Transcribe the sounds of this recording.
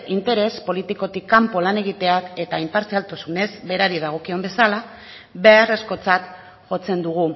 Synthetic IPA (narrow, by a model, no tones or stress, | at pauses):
int̪e̞ɾe̞spo̞lit̪iko̞t̪ikːampo̞lane̞ɣ̞it̪e̞ake̞t̪aimpaɾsialt̪osune̞zbe̞ɾaɾið̞aɣ̞o̞kio̞mbe̞sala | βe̞are̞sko̞t͡sat̪ | ʝo̞t͡se̞nd̪uɣ̞u